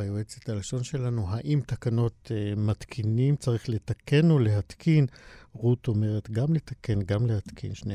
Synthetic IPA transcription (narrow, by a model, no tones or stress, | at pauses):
ajoet͡set̪alʃo̞nʃe̞lanuɦaʔimt̪akano̞t̪mat̪kʰinimt͡saʁiχle̞t̪ake̞nole̞ɦat̪kʰinʁuto̞me̞ʁet̪ɡamle̞t̪ake̞nɡamle̞hat̪kʰḭnʃne